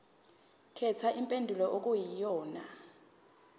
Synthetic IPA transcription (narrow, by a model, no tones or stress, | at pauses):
kʰɛt͡sʰaʔimpʼendʱulɔʔok̬ujijɔːna